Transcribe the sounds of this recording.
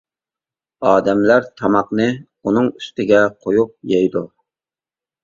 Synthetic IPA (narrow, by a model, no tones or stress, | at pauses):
ɑːd̪ɛmlæɾt̪ʰɑmɑqnɨ | unɨŋy̥st̪ɪɡʲɛqʰojup̚jɛjd̪u